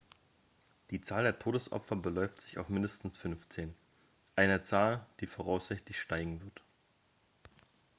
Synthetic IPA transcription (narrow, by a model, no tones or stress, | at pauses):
d̥iːt͡saːldeːɐtʰoːdəsʔɔ̰pfɐbəlɔʏftz̥ɪça̰ʊfmɪndəstn̩sfʏnft͡seːn | ʔaɪnɐt͡saːld̥iːfoːʁaʊsz̥ɪçtlɪçʃtaɪɡŋ̩vɪɐt